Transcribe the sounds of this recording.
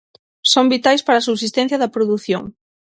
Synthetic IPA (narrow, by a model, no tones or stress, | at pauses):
sombit̪ajspaɾasuβsist̪ɛ̃n̟θjɐðɐpɾoðuθjoŋ